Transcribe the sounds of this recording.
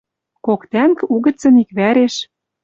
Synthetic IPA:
kokt̪æŋkuɣə̆t͡sɤ̆nikβæɾeʃ

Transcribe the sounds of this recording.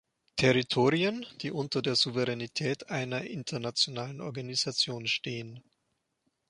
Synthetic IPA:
tʰɛʁitʰoːʁiənd̥iːʔʊntɐdeːɐzuvɛʁɛnitʰɛːtʔaɪnɐʔɪntʰɐnat͡sjonaːlənʔɔɐɡanizat͡sjoːnʃteːən

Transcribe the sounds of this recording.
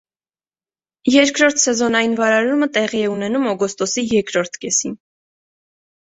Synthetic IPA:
jɛɾkʰɾɔɾt̪ʰsɛzɔnɑjinvɑɾɑɾumət̪ɛʁiɛunɛnumɔɡɔst̪ɔsijɛɾkɾɔɾt̪ʰkɛsin

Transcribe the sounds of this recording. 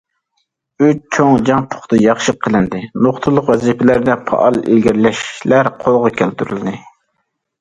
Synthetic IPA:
øt͡ʃt͡ʃʰoŋd͡ʒɑŋpʰʊ̥χt̪ɨjɑχʃəqʰːəlˠɪnd̪ɨnoχt̪ʰulˠːʊqwɛzipʰɪlæɾd̪ɛpʰɑ̰ʔɑlˠḛlɡʲiɾlɛʃlæɾqʰolˠʁɑkʲʰælt̪yɾyld̪ɨ

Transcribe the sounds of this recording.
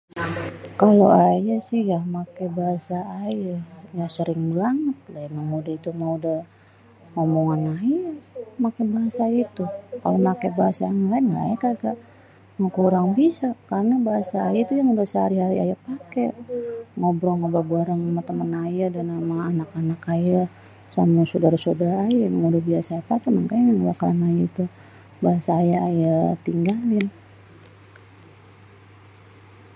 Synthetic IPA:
kaloajasɪhjahmakebaɦasaːjajasəɾɪŋblaŋət̪̚lamamodait̪umaudah | ŋomoŋanajamakabaɦasajait̪uka̰lomakebaɦasaŋlaŋa̰ɛkaɡaʔ | ŋokuɾaŋbisakaɾənabaɦasaːjait̪ujaŋudasəhaɾiɦaɾia̰japakɛ | ŋobɾoŋobabuaɾaŋamat̪əmənajadanamaŋːnakanakaja | samasodaɾasodaɾajaaŋudahbiasaːpakaməŋkaaŋudakaɾanajait̪u | baɦasaːjaajat̪iŋɡalɪn

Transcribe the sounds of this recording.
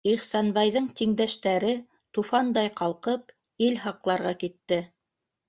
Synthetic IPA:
iχsɑnbɑjðɤɴt̪iŋd̪æʃt̪æɾɘ | t̪ufɑnd̪ɑjqɑlˠqɤp̚ | ilɦɑqlˠɑɾʁɑkit̪ːɘ

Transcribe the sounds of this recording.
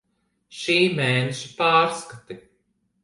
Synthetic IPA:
ʃiːmɛːneʃipaːɾskat̪i

